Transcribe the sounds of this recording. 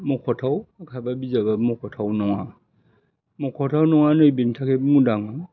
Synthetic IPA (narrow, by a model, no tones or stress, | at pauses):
mɔkʰɔtʰawakʰababizabamɔkʰɔtʰawnɔŋa | mɔkʰɔtʰawnɔŋanojbintʰakemudaŋa